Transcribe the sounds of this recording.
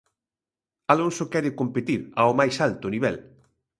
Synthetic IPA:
alonsʊkɛɾɪkompet̪iɾaomajsalt̪ʊniβ̞ɛl

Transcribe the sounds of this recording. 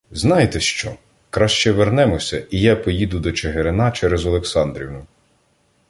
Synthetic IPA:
znɑjet̪ɛʃt͡ʃɔ̰ | kɾɑʃt͡ʃɛʋernɛmɔsʲɐʔijapɔjid̪ʊd̪ɔt͡ʃeɦeɾenɑt͡ʃɛɾɛzɔlˠeksɑnd̪ɾʲḭwnʊ

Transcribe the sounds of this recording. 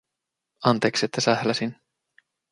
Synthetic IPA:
ɑnt̪eːkset̪ːæsæhlæsin

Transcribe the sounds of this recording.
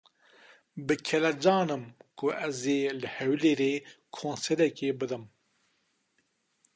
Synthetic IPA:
bɨkʰɛlɛd͡ʒɑːnɨmkʰʊɛzeːlɨhɛwleːɾeːkʰõːnsɛɾɛkebɨd̪ɨm

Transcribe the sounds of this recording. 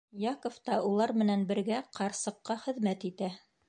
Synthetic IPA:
jɑkŏft̪ɑulˠɑɾmɘ̆nænbɘ̆ɾɡæqʰɑɾsɤ̆qːɑχɘ̆ðmæt̪it̪æ

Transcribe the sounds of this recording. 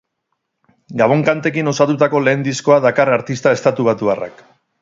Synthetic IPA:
ɡaβ̞o̞ŋkant̪e̞kino̞sat̪ut̪ako̞le̞ːnd̪isko̞aðakaraɾt̪ist̪ae̞st̪at̪uβ̞at̪uara̰k

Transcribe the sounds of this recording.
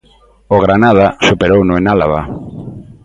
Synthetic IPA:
oɣɾanað̞asupeɾownʊenalaβa

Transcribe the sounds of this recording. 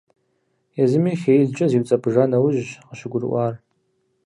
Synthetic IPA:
jazɨmiχʲejɮt͡ʃʼɐziwt͡sʼɐbʰʒanawʊʒqəʃʷɪɡʷʊrʔʷaːr

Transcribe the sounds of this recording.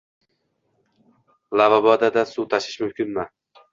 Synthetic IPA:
lavabɒd̪ad̪asut̪ʰaʃɪ̥ʃmʊmkʲʰɪnma

